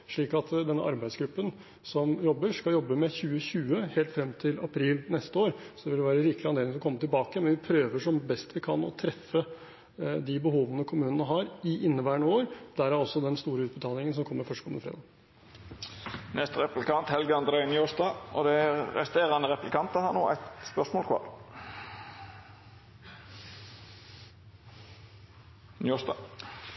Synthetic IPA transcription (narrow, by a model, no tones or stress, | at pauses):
ʂɭiːkɑt̪d̪ɛnːə̰ʔɑ̰ɾbæɪd̪sɡɾʉpːən | sɔmjɔbːəʂkɑljɔbːəmɛçʉːəçʉːəheːlt̪fɾɛmːt̪ʰɪlɑ̰pʰɾiːlnɛst̪əoːɾsɔd̪ɛʋɪlʋæːɾəɾɪklɪɑneːlɪŋlɔkʰɔmːət̪ʰɪlbɑːkəmɛnʋɪpʰɾøːʋəʂɔmbɛst̪ʋɪkʰɑnɔ̰t̪ʰɾɛfːə | d̪ɪbəɦoːʋənəkʰʊmʉːnənəɦɑɾɪʔɪnːəʋæːɳəoːɾd̪æɾæɾɔsːɔd̪ɛnst̪uːɾəʉːt̪̚bət̪ʰɑːlɪŋəns̬ɔmkʰɔmːəɾfœʂʈkʰɔmənəfɾḛːd̪ɑː | nɛst̪əɾɛplɪkʰɑnt̪hɛlɡəɑnd̪əɾɛɪnjoːʂd̪ɑɔd̪ɛɾɛst̪eːʁɑnəɾɛplɪkʰɑnt̪əhɑːnoːæ̰ɪt̪spœsmoːlkʰʋɑ̰ːʁ | njosd̪ɑ̰